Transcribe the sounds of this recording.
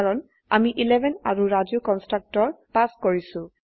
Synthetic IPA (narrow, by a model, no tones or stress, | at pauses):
ɹɔn | a̰miʔilɛbʱɛnaɹuɹaziʊkɔnstɹak̚tɔɹpaskoɹisʊ̃